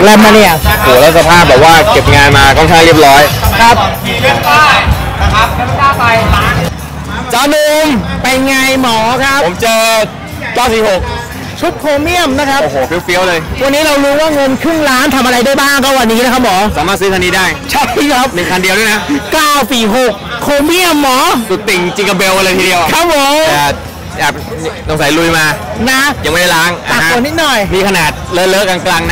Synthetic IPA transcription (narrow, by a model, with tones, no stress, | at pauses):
lɛ˦˥ma˧ni˧˩oː˨˩lɛ˦˥sa˧pʰaː˥˩p̚bɛː˨˩p̚waː˥˩ke˨˩p̚ŋaː˧nmaː˧kʰɔː˥˩nkʰaː˥˩ŋɾi˥˩əp̚ɾɔː˦˥jkʰa˦˥p̚aː˥˩a˦˥a˧˩mʰaː˥˩pa˧j | sa˧˦nu˧mpa˧jŋa˧jmɔː˩˦kʰa˦˥po˩˦mt͡ɕɤː˧ | kaː˥˩wsiː˨˩ho˨˩k̚ | t͡ɕʰu˦˥p̚kʰoː˧mi˥˩əmna˦˥kʰa˦˥pːɦoː˨˩fi˦˥əwfi˦˥əwlɤː˧jwa˧nːiː˦˥ɾa˧wɾuː˦˥waː˥˩ŋɤ˧nkʰɯ˥˩ŋlaː˦˥nt̪ʰa˧mʔa˧ɾa˧jdaː˥˩jbaː˥˩ŋkɔː˥˩wa˧nːiː˦˥na˦˥kʰa˦˥p̚mɔː˨˦saː˨˦maː˥˩t̪sɯː˦˥t̪ʰa˧niː˧˩daː˥˩jt͡ɕʰa˥˩p̚ʰi˧˥˩kʰɾa˦˥p̚nɯ˨˩ŋkʰa˧ndi˧əwdaː˥˩jna˦˥kaː˥˩wpiː˨˩ɦo˨˩k̚ʰːoː˧mi˥˩əmːɔː˨˩˦su˨˩t̪̚ːi˨˩ŋt͡ɕi˧ŋka˧mbe˧wʔa˧lɤː˧jt̪ʰiː˧di˧əwkʰɾa˦˥p̚ʰːo˨˦mɛː˨˧˩ | ʔɛː˨˩p̚ | nɔ˧˩ŋsa˨˦jlu˧jmaː˧ | na˦˥ja˧ŋa˥˩da˥˩laː˦˥nʔa˧aː˨˩˦u˨˩t̪̚ni˦˥t̪̚nɔ˨˩jmiː˧kʰa˧naː˨˩t̪̚lɤː˦˥˩lɤː˦˥kaː˧nklaː˧ŋna˦